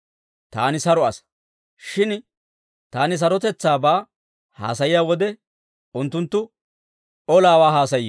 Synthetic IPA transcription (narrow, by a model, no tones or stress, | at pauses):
t̪aːnɪsɐɾɔɐs | ʃɪn | t̪aːnɪs̬ɐɾɔt̪ɛt͡sːaːbaː | ha̰ːsɐjɪjaːwɔd̪ɛ | ʊnt̪ːʊnt̪ːʊ | ʔɔlaːwaːɦaːsɐj